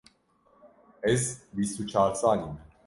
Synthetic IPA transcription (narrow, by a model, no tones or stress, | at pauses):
ɛsbisut͡ʃʰaɾt͡sanimɛ